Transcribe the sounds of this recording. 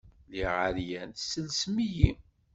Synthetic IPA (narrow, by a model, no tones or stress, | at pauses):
liʁaɾjænsəlsmiji